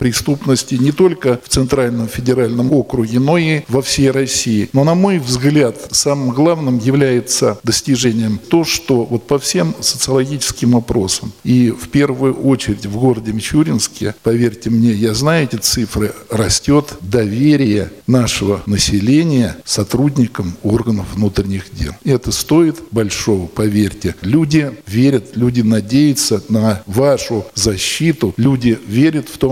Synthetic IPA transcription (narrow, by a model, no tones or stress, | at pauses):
pɾʲɪst̪upnəsʲtʲɪnʲɪt̪o̞lʲkəft̪sɨnt̪ɾalʲnəmfʲɪdʲɪɾalʲnəmokɾʊɡʲɪno̞ivɐfsʲejrɐsʲːijɪno̞nɐmo̞jvzɡlʲat̪samɨmɡlˠavnɨmjɪvlʲæjɪt̪səd̪əsʲtʲɪʐɛnʲɪjəmt̪o̞ʂt̪o̞vo̞t̪̚pɐfsʲe̞msə̥t̪sɨəlˠɐɡʲit͡ɕɪ̥skʲɪmvɐpɾo̞səmifpʲervʊjʊʔo̞t͡ɕɪɾʲɪtʲvɡo̞ɾədʲɪmʲɪt͡ɕuɾʲɪnskʲɪ̰pɐvʲerʲtʲɪmnʲejaznajʊʊɛtʲɪt̪sɨfɾɨrɐsʲtʲo̞t̪d̪ɐvʲeɾʲɪjənaʂəvənəsʲɪlʲenʲɪjəsɐt̪ɾudʲnʲɪkəmo̞rɡənəfvnut̪ɾʲɪnʲɪxdʲḛlˠɛt̪əst̪o̞ɪt̪bɐlʲʂo̞vəpɐvʲerʲtʲɪlʲudʲɪvʲeɾʲət̪lʲudʲɪnɐdʲejʊt̪sənəvaʂʊzɐɕːit̪ʊlʲudʲɪvʲeɾʲət̪ft̪o